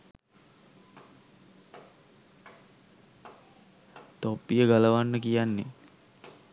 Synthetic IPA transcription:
t̪opːijəɡaləʋanːəkijanːe

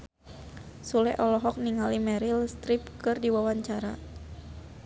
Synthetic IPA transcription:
sulɛʔɔlɔɦɔk̚niŋalimɛɾilst̪ɾip̚kɨrdiwawaɲt͡ʃaɾa

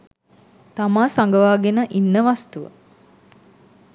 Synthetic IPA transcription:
t̪amaːsaŋɡəʋaːɡenəʔinːəʋast̪uʋə̰

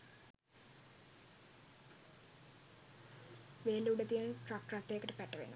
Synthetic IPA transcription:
ʋeːluuɖət̪iənnʈrak̚ʈrat̪ːejːkəʈəpæʈːəʋḛnṵ

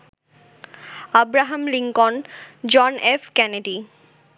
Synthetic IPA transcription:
abɾaɦɐmliŋkond͡ʑɔnefkɛneɖi

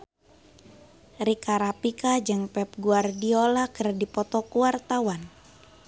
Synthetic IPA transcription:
rikaɾapikad͡ʒɨŋpɛp̚ɡuardiolakɨrdipɔt̪ɔkuwart̪awan

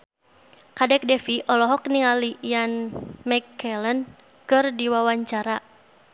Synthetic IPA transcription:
kadɛk̚dɛfiʔɔlɔɦɔk̚niŋalijanmɛkːɛlən | kɨrdiwawaɲt͡ʃaɾa

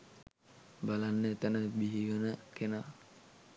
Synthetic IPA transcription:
balanːəet̪ənəbiɦiʋənəkena

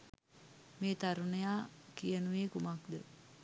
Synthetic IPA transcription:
meːt̪aɾunejaːkijənuʋeːkumakd̪ə

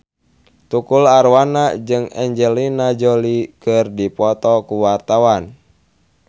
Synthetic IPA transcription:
t̪ukulaɾwanad͡ʒɨŋɛ̰ɲd͡ʒɛlinad͡ʒolikɨrdipɔt̪ɔkuwart̪awan

